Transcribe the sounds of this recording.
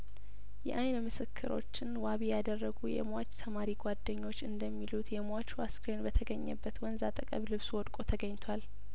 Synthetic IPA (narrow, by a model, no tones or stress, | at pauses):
jɛ̰ʔajnmɨsɨkʰːɨɾʔo̞̰t͡ʃːɪnwaβijad̪ərːəɡujɛ̰mwat͡ʃːt̪ʰəmaɾiɡʷad̪ːəɲːo̞t͡ʃːɨnd̪əmːilut̪jɛmat͡ʃwaskɾenbət̪ʰəɡəɲːə̰bːət̪wɔnzat̪ʼəkʼəβlɨβswɔd̪kʼot̪ʰəɡəɲːt̪ʰwal